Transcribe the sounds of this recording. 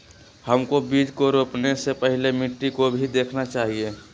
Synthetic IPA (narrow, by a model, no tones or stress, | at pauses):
həmkobiːd͡ʒkoɾoːpnesepəɦilemɪʈːikobʱid̪eːkʰnat͡ʃaːɦie